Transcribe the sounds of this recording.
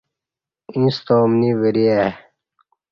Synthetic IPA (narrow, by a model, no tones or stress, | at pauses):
ĩst̪oːmniβəɾie